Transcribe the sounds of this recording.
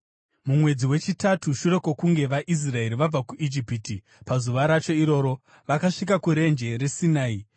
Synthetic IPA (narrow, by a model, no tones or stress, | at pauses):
mumwe̞d͡ziwe̞t͡ʃitatuʃure̞ko̞kuŋɡe̞ʋaʔis̬rae̞ɾiʋab͡vakuʔid͡ʒipiti | pazuʋaɾat͡ʃo̞iɾo̞ːɾo̞ | ʋakaʂik̬akuɾe̞nd͡ʒe̞ɾe̞sinaːi